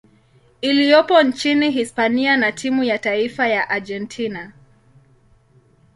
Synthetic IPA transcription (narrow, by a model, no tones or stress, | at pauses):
ilijɔpɔnt͡ʃiniɦispanianatʰimujataifajaʔad͡ʒɛntʰina